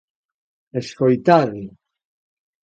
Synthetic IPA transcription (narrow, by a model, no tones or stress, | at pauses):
eskojt̪aði